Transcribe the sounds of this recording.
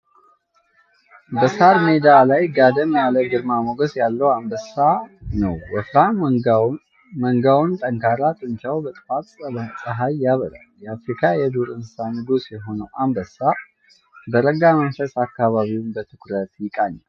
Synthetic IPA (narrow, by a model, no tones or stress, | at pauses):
bəsaɾmed̪alajɡad̪əmaləɡɨɾmaməɡəsjalːəwambəsanə̰wːəfɾa | məŋɡawnt̪ʼəŋkʰaɾat̪ʼɨnt͡ʃawbət̪ʼfat̪ʼsəβasʼəɦajːaβəɾa̰ljɛafɾikʰajɛd̪uɾɨnsanɨɡusjɛɦo̞nəwʔambəsa | bəɾəɡamənfəsakːaβaβiwnbət̪ʰɨkɾət̪jɪkʼaɲːal